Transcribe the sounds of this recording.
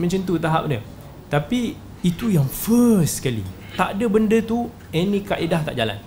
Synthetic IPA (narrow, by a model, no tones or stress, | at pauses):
mə̃ɲt͡ʃənt̪̬ut̪aɦa̰p̚nə | t̪api | it̪ujaŋfəsskalḭ | t̪aʔdəbəndət̪u | enĩkaʔedaht̪a̰ʔd͡ʒala̰n